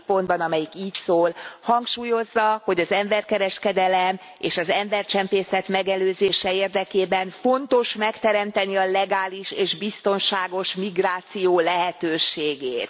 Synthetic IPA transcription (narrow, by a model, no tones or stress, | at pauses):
po̞nd̪bɒnɒmɛjikiːcsoːlhɒŋkʃuːjo̞zːɒho̞ɟɒzɛɱbɛrkɛɾɛʃkɛd̪ɛlɛm | ḛːʃɒzɛmbɛrt͡ʃɛmpeːsɛt̪mɛɡɛløːzeːʃɛeːrd̪ɛkeːbɛnfo̞nt̪o̞ʃmɛkt̪ɛɾɛmt̪ɛniɒlɛɡaːliʃeːʒbist̪o̞nʃaːɡo̞ʃmiɡraːt̪sijoːlɛɦɛt̪øːʃeːɡeːt̪